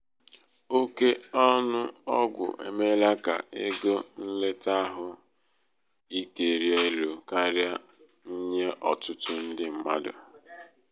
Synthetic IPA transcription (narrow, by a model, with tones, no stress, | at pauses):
o˦ke˦ɔ˦nʊ˦ɔ˦ɡʷʊ̰˨ʔḛ˨me˦la˦ka̰˨ʔe˦ɡo˦n̩˦le˦ta˦ɦʊ˨ | i˦ke˨ɾje˦lo˨ka˦ɾja˦ | n̩˦ɲe˦ʔɔ˨tʊ˦tʊ˦n̩˦dɪ˦m̩˦ma̰˦dʊ̰˨